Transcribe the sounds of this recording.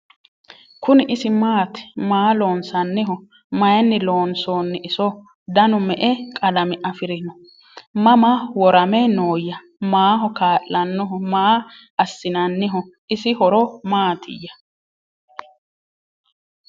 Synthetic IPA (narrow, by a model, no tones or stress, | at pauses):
kʊnɪʔɪsɪmaːt̪maːlo̞ːnsɐnːɪɦɔ | mɐjɛnːɪloːnsoːnːɪʔɪsɔ | d̪ɐnʊmɛʔɛkʼɐlɐmɪʔɐfɪɾɪnɔ | mɐmɐwɔɾɐmɛnoːjɐ | maːɦɔkaːʔlɐnːɔɦɔmaː | ɐsːɪnɐnːɪɦɔʔɪsɪhɔɾɔmaːt̪ʰɪ̰jːɐ